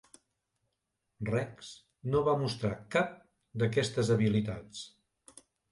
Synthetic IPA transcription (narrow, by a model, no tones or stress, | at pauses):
rɛks | noβamust̪ɾakap̚ | d̪əkɛst̪əzəβilit̪at͡s